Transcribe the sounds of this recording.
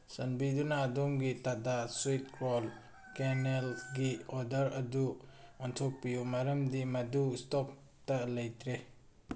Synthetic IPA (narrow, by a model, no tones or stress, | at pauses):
sɐnbidunaːdomɡitadaswit̚kɾol | kenelɡiɔdɐɾɐduɐntʰok̚pijumaɾɐmdimɐdustɔk̚ | tɐlɐjtʰɾe